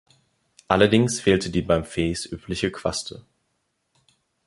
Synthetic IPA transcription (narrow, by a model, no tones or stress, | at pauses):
ʔalɐdɪŋsfeːltədiːbaɪmfeːsʔyːpʰlɪçəkv̥a̰stʰə̰